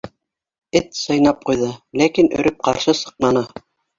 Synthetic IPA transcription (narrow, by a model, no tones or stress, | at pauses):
ɘt̪sɤ̆jnɑp̚qujðɤlækinɵ̰̆ɾʔɵp̚qɑɾʃɤsɤ̥̆q̚nɑnɤ